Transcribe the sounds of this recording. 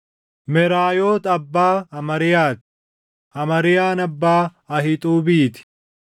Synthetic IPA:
mɛɾaːjoːt̪ɐbːaːɐmɐɾɪjaːt̪ɪ̥ | ɐmɐɾɪjaːnɐbːaː | ɐɦɪt̪ʼuːbiːt̪ɪ̥

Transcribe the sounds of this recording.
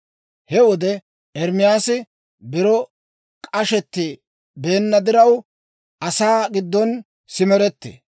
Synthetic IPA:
hɛwɔd̪ɛ | ʔɛɾmɪjaːsɪ | bɪɾɔ | kʼɐʃɛt̪ːɪ | be̞ːnːɐd̪ɪɾɐw | ʔɐsaːɡɪd̪ːɔn | sɪmɛɾɛt̪ːḛ

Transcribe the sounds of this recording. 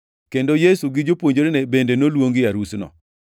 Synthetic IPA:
kendojesuɡɪd͡ʒopwoɲd͡ʒoɾenebendenolwoŋɡɪjaɾusnɔ̰

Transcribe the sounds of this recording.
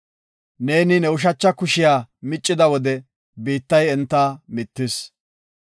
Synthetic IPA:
ne̞ːnɪnɛʊʃ̬ɐt͡ʃːɐkʊʃɪjaːmɪt͡ʃʼːɪd̪ɐwɔd̪ɛ | biːt̪ːɐjɛnt̪ːɐmɪt̪ːɪs

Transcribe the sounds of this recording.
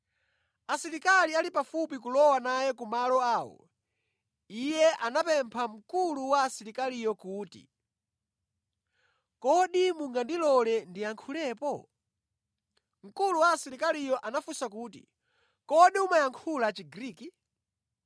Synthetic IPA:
asiɾikalialipafupik̬ulɔwanajɛkumalɔaːwɔ̰ | ijɛʔanapɛmpʰam̩kuluwaːsiɾikalijɔkuːtḭ | kɔɗimuŋɡandilɔlɛndijaŋkʰulɛːpɔ | m̩kuluwaːsiɾikalijɔʔanafusak̬uːtḭ | kɔɗiumajaŋkʰulat͡ʃiɡɾiːki

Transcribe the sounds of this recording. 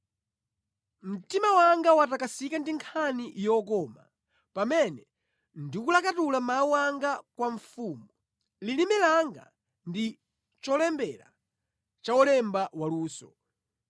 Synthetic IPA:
m̩timawaŋɡawatakasikandiŋkʰanijɔkɔːma | pamɛnɛ | ndikulakatulamawuaŋɡakwaɱfumu | lilimɛlaŋɡa̰ | ndi | t͡ʃɔlɛmbɛla̰ | t͡ʃawɔlɛmbawaluːsɔ

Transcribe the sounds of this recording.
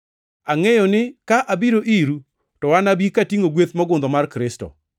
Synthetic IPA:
aŋɛjɔnɪkaʔabiɾoʔiɾu | tɔwanabikatiŋoɡwet̪mɔɡʊnd̪ɔmarkɾɪstɔ̰

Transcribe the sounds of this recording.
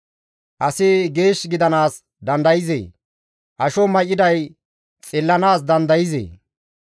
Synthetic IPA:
ʔɐsɪɡe̞ːʃɡɪd̪ɐnaːs | d̪ɐnd̪ɐjɪzḛː | ʔɐʃɔmɐjɪd̪ɐj | t͡sʼɪlːɐnaːs̬d̪ɐnd̪ɐjɪzḛː

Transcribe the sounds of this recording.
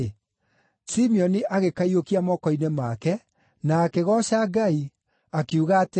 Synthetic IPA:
simiɔniʔaɣekaiokiamɔkɔinɛmakɛ | naːkeɣɔɕaɡai | akiuɣaːt

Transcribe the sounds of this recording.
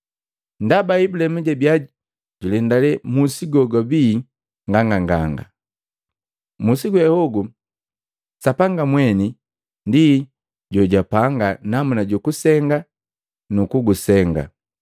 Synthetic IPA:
ndabaibulɛmuɟɛbjaɟi | ɟulɛndalɛmusiɡɔɡɔbi | ŋɡaŋɡaŋɡaŋɡa̰ | musiɡuɛhɔɡu | sapaŋɡamwɛni | ndi | ɟɔɟapaŋɡanamunaɟukusɛŋɡa | nukuɡusɛŋɡa̰

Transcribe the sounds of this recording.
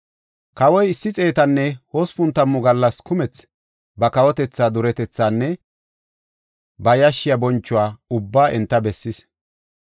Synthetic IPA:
kɐwɔjɪsːɪt͡sʼe̞ːt̪ɐnːɛhoːspʊnt̪ːɐmːʊɡɐlːɐskʊmɛt͡s | bɐkɐwɔt̪ɛt͡sːaːd̪ʊɾɛt̪ɛt͡sːaːnːɛ | bɐjɐʃːɪjɐbɔnt͡ʃːʊwaːʊbːaːʔɛnt̪ːɐbɛsːɪs

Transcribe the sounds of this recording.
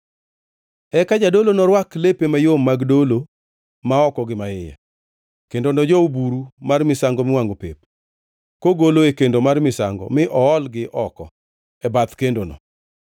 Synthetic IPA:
ɛkad͡ʒadolonɔɾwaklepemajomːaɡdolo | maɔkɔɡɪmaɪja̰ | kendonɔd͡ʒɔubuɾumarmɪsaŋɡɔmɪwaŋɡopḛp | koɡoloekendomarmɪsa̰ŋɡɔ̰mɪʔɔɔlɡɪʔɔkɔ̰ | ɛbat̪kendonɔ̰

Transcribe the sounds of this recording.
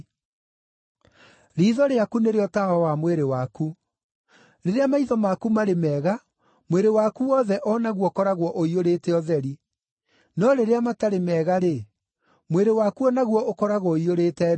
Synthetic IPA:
ɾiːðɔɾeakuneɾeɔtaɔwamweɾewaku | ɾeɾeamaiðɔmakumaɾemɛːɣa | mweɾewakuɔðɛʔɔnaɣwɔkɔɾaɣwɔʔoioɾeːtɛɔðɛɾi | nɔɾeɾeamataɾemɛːɣaɾe | mweɾewaːkuɔnaɣwɔʔokɔɾaɣwɔioɾeːtɛ

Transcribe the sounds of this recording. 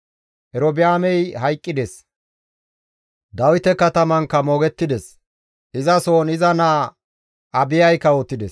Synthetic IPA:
ʔɛɾɔbɪjaːmɛjhɐjkʼːɪd̪ɛs | d̪ɐwɪt̪ɛkɐt̪ɐmɐŋkːɐmo̞ːɡɛt̪ːɪd̪ɛs | ɪzɐsoːnɪzɐnaː | ʔɐbɪjɐjkːɐoːt̪ːɪd̪ɛs

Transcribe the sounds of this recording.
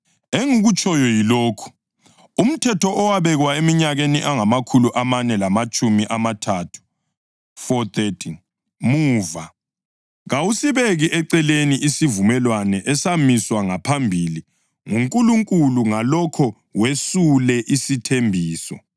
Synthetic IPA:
eŋuɣut͡ʃʰʼɔjɔjiloːkʰu̥ | um̩tʰɛtʰɔʔːwaβɛɣwaemiɲaɣeniʔaŋamakʰuluʔamanɛlamat͡ʃʼumiʔamatʰatʰu̥ | fɔt̪etʰin | muːva | ɣawusiβeɣiʔɛǀɛleniʔisivumɛlwanɛʔɛsamiswaŋapʰambʱili | ŋuŋkʼuluŋkʼuluŋalɔkʰɔ | wesulɛʔisitʰembʱiːsɔ̰

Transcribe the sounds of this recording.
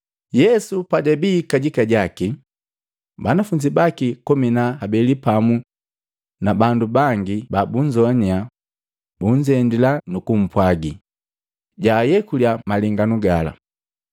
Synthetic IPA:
jɛsupadɛbiːkaɟikaɟaki | banafuɲd͡ʒibakikɔminahabɛlipamu | nabandubaŋɡibabuɲd͡ʒɔɲa | buɲd͡ʒɛndilanukum̩pwaɡi | ɟaːjɛkuljamaliŋɡanuɡala̰

